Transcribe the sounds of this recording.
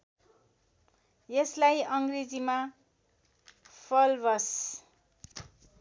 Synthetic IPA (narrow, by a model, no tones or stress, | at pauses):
jeslajʌŋɡred͡zima | pʰʌlbʌs